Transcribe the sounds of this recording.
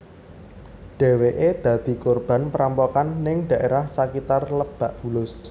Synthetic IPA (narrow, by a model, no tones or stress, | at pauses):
ɖ̥e̤weʔed̪̥ä̤d̪̥i̤korb̥a̤npəɾampokanːɪŋɖ̥ä̤ʔeɾahsakit̪arləb̥a̤ʔb̥ulʊs